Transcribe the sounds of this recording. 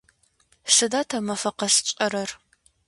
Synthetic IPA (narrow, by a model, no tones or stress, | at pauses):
ʂɨdaːtʰamɐfɐqɐɕt͡ʃʼɐɾɐr